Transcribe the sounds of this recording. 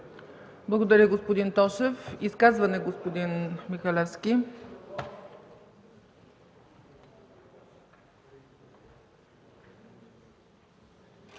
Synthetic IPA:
blˠɐɡod̪ɐɾʲəɡospod̪int̪ɔʃɛfiskazvɐnɛɡospod̪inmixɐlɛfskʲi

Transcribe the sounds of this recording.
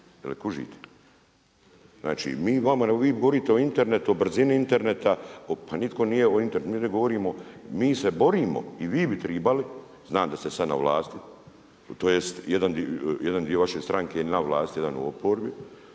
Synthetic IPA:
jelikuʒḭːt̪ʰe̥ | zna̰ːt͡ʃḭmiːʋamaneɡoʋiːɡoʋoɾiːt̪eo̞int̪e̞ɾne̞t̪uobr̩ziniint̪e̞ɾnet̪aopʰanit̪ko̞nijeoint̪eɾnet̪miːneɡo̞ʋoɾiːmo̞miːsebo̞ɾiːmo̞̰iʋiːbit̪ɾiːbali | znaːmd̪ast̪esana̰ʋlˠaːst̪i | t̪oːjest̪jed̪and̪ijed̪and̪io̞ʋaʃeːst̪ɾʔaŋkenaʋlˠaːst̪ijed̪anṵopoːɾbi

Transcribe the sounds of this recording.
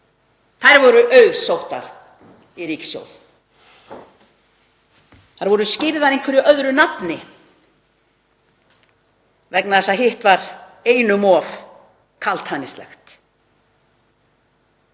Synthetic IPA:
θajɾvɔɾʏʔœɥðsowht̪a̰ | iɾiːcɪ̥sjo̰wð | θaɾvɔɾʏscɪːɾɪðθaɾejnkʰvɛɾɪœðɾʏnapnɪ | vɛknaðɛsaɦɪht̪vaɾeːjnʏmɔv | kʰalt̪hanɪst̪lɛ̰xt̪

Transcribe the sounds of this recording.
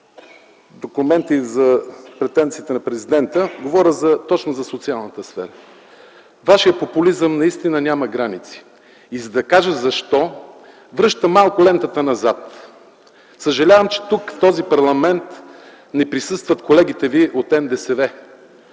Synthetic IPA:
d̪okumɛnt̪izɐpɾɛt̪ɛnt̪siːt̪ɛnɐpɾɛzid̪ɛnt̪əɡovɔɾʲəzɐt̪ɔt͡ʃnozɐsot̪sialˠnət̪əsfɛ̰ɾə | vaʃijəpopulizəmnɐist̪inənʲamɐɡɾanit̪si̥ | izɐd̪ɐkaʒəzɐʃt̪ɔ | vɾɤʃt̪əmalˠkʊlɛnt̪ət̪ənɐzat̪ | səʒɐlʲavəmt͡ʃɛ̥t̪ukft̪ɔzipɐɾlˠɐmɛnt̪ | nɛpɾisɤst̪vɐt̪kolɛɡit̪ɛviʔot̪ɛnd̪ɛsɛvɛ

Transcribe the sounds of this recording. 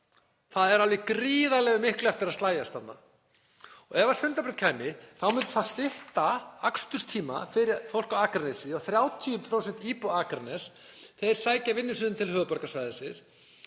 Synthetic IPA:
θaðɛɾalɪkɾiːðalɛɣʏmɪhklʏɛft̪ɪɾaðst̪laːjast̪θannːa̰ | ɔɣɛvḁsʏnt̪apɾɪt̪kʰaːjmɪθawmʏnt̪ʏ̥θaðst̪ɪht̪aakst̪ʏ̥st̪ʰiːma̰fɪɾɪfowl̥kaaːkɾnesɪɔɣθɾjaːwt̪ʰiʏmpʰɾowsɛnt̪iːpɔakɾanɛs | θejɾ̥saːjcavɪnːɪsʏnʏmt̪ʰɪlhœːɣpɔɾkasvajðɪsɪs

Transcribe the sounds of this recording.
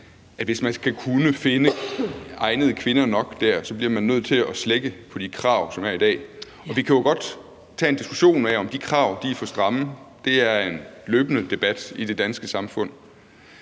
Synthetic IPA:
ʔæd̥ʋe̝smænkʰækʰunəfe̝nə | ɑ̈ɪnð̞̩ˠkʰʋe̝nɐnɒ̽ɡ̥d̥æɐ̰sɒ̽b̥liɐmænːøð̞̰ˠt͡sʰe̝lɒsleɡ̥əpʰɒ̽d̥ikʰʁɑ̰̈ːʊsɒ̽mæɐid̥ɛ̰ː | ɒ̽ʋikʰæjo̝ɡ̥ɒ̽d̥ | t͡sʰɛ̰ːe̝nd̥isɡ̥u̥ɕo̝̰ːnæɒ̽md̥ikʰʁɑ̈ʊd̥ifɒsd̥ʁɑ̈məd̥e̝æɐe̝nløːb̥ənəd̥e̝b̥æd̥id̥e̝d̥ænsɡ̥əsɑ̈mfɔ̽n̰

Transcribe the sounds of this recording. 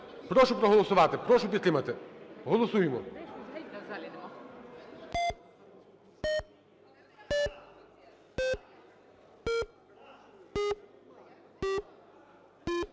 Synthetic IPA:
pɾɔʃʊpɾɔɦɔlˠɔsʊʋɑt̪ɪpɾɔʃʊpʲit̪ɾɪmɐt̪ɪɦɔlˠɔsujemɔ

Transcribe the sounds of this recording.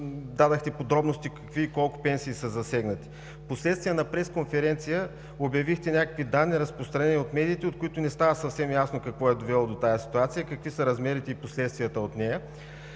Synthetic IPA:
d̪ad̪əxt̪ɛpod̪ɾɔbnost̪ikɐkviːkɔlˠkʊ̥pɛnsiːsəzɐsɛɡnət̪i̥ | poslɛt̪st̪vijənɐpɾɛskonfɛɾɛnt̪sijə | objɐvixt̪ɛnʲakəkvid̪anːiɾəspɾost̪ɾɐnɛniot̪mɛd̪iːt̪ɛot̪̚kʊit̪ʊnɛst̪avəsɐfsɛmjasnokɐkvɔɛd̪ovɛlˠod̪ot̪ajəsi̥t̪uat̪sijəkɐkvisəɾɐzmɛɾit̪ɛiposlɛt̪st̪vijət̪əot̪nɛjə

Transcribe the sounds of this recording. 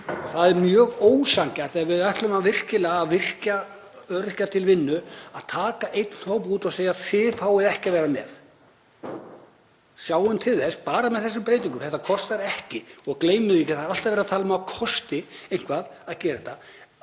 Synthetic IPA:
ɔɣθaðɛɾmjœːɣoːwsaŋcaɾ̥θɛavɪðajht̪lʏmavɪr̥cɪlɛɣaaðvɪr̥ca | œɾ̥cat̪ʰɪlvɪnːʏaðt̪ʰaːkaʔejt̪n̥howp̬uːt̪aɣseːjaðfɪfaːwɪðɛhcɪavɛːɾamɛ̰ð | sjaːwʏnt̪ʰɪlθɛspaːɾamɛðθɛs̬ʏmpɾeːjt̪iŋkʏmθɛht̪ːakʰɔst̪aɾɛhcɪɔɣkleːjmɪðɪcɪθaðɾal̥t̪avɛɾat̪ʰaːlʏmakʰɔst̪ɪejn̥kvaðaðcɛːɾɪt̪ʰa

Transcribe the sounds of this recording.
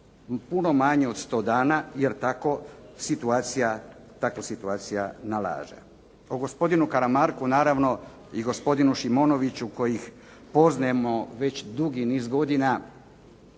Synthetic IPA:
puno̞maɲeo̞d̪st̪o̞ːd̪aːnaje̞ɾt̪ako̞sit̪uaːt̪sijat̪ako̞sit̪uaːt̪sijanala̰ːʒḛ | oɡo̞spo̞d̪inukaɾamaɾkunaːɾaʋno̞ | iɡo̞spo̞d̪inuʃimo̞ːno̞ʋit͡ɕuko̞jix | po̞znamo̞ʋe̞t͡ɕd̪uɡiniːzɡo̞d̪ina

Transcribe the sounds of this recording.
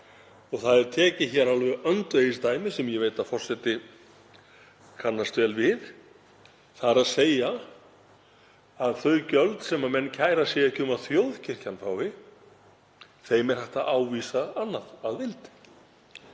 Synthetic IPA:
ɔɣθaðɛɾt̪ʰɛːcɪçɛɾalvɛʔœnt̪ejɪst̪aːjmɪsɛmjɛveːjt̪aðfɔr̥sɛt̪ɪ | kʰanːast̪vɛːlvɪð | θaɾaðseːja | aðθœɥcœlt̪sɛmamɛnːcʰaːjɾasjɛɛcʰʏmaðθjowðcʰɪr̥canfaːwɪ | θejmɛɾ̥hɛht̪aaːwvisaanːaðaðvɪlt̪ɪ̥

